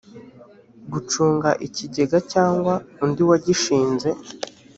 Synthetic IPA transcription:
ɡut͡ʃuːŋɡaʔiciɟe̞ɡacaːŋɡwaundiwaɟiʃiːnze̞

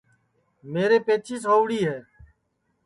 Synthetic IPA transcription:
meːɾeːpeːt͡ʃʰiːsoːʋɽiːɦɛː

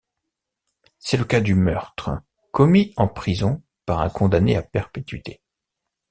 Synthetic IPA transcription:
sɛləkad̪ymœʁt̪χə | kɔmiɑ̃pχizɔ̃ | paʁɛ̃kɔ̃d̪aneapɛʁpet̪ɥit̪ʰe

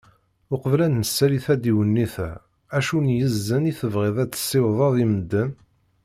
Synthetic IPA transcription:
ʊqəvlænːəsːæliθæd̪iwənːiθæ | æʃunjəzːəniθəvʁɪðˤæt͡sːə̥sːɪwðˤɑðˤiməd̪ːən

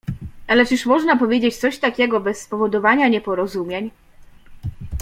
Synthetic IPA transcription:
ʔalɛt͡ʂiʂmɔʐnapɔvʲjed͡ʑet͡ɕt̪sɔɕt̪akʲɛɡɔbɛsːpɔvɔd̪ɔvaɲaɲɛpɔɾɔzumʲjeɲ

